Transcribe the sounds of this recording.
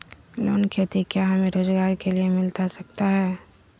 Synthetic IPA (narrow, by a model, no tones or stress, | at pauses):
loːnkʰeːt̪ikjaɦɐmẽɾoːd͡ʒɡaːɾkeliemɪlt̪asɐk̚t̪aɦɛː